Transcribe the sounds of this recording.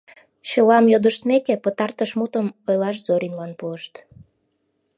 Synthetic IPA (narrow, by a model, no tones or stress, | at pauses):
ɕəlɑmjod̪əʃt̪mekepət̪ɑrt̪əʃmut̪əmojlɑʃ̬zoɾʲinlɑnpuəʃt̪